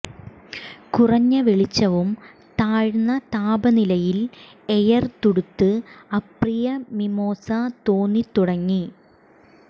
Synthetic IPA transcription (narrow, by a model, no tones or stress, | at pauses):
kurɐɲːɐʋiɭit͡ɕːɐʋum | t̪aːɻnːɐt̪aːbɐnilɐjil | ejɐrt̪uɽut̪ːɨɐkrijɐmimo̞ːsɐt̪oːnːit̪uɽɐŋːi